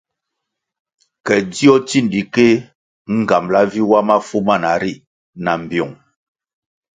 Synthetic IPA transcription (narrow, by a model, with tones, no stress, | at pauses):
kɛ˨di˦ɔ˦ti˦˨n˨di˨ke˦ | ŋ̩˨ɡa˨mla˦vi˦wa˦ma˦fu˦ma˦˨na˨ɾi˦ | na˨m̩˨bjɔ˨ŋ